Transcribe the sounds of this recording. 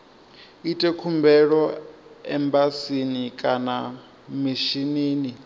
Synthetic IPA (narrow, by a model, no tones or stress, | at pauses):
itʼɛkʰumbɛɺɔɛmbasinikʼana | miʃineːni